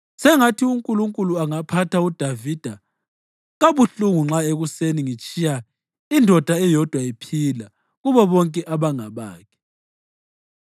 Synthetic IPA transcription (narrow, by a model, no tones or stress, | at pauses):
sɛŋatʰiuŋkʼuluŋkʼuluaŋapʰatʰaud̥ʱavid̥ʱa | ɣaβuɬuŋuŋ͡ǁaeɣuseniŋit͡ʃʼija | indʱɔd̥ʱaɛjɔd̥ʱwaipʰila | ɣuβɔβɔŋkʼɛʔaβaŋaβa̰ːkʰɛ̥